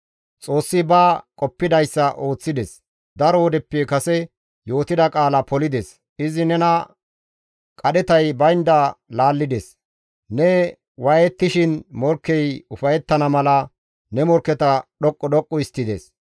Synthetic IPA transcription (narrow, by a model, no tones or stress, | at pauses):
t͡sʼo̞ːsːɪbakʼɔpːɪd̪ɐjsːɐʔo̞ːt͡sːɪd̪ɛs | d̪ɐɾɔɔd̪ɛpːekɐsɛ | jo̞ːt̪ɪd̪ɐkʼaːlɐpɔlɪd̪ɛs | ɪzɪnɛnɐ | kʼɐɗɛt̪ɐjbɐjnd̪alaːlːɪd̪es | nɛ | wɐjɛt̪ːɪʃɪnmɔɾkːɛjʊfɐjɛt̪ːɐnɐmɐlɐ | nɛmɔɾkːɛt̪ɐɗɔkʼːɔɗɔkʼːɔɪst̪ːɪd̪ḛs